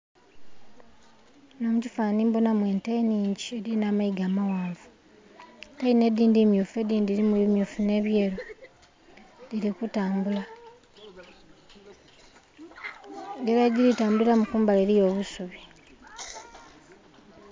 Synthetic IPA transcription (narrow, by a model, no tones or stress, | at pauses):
no̞mucifaːniːmbonamwe̞ːnteiniːɲɟie̞ɾinaːmaiɡaːmawaːvu | taine̞diːndimjuːfue̞diːndiɾimuimjufune̞ːβje̞ːɾo | dilikutaːmbula | ŋɡeɾaɟiɾitaːmbuilamukuːmbaleɾijo̞ːβusuβi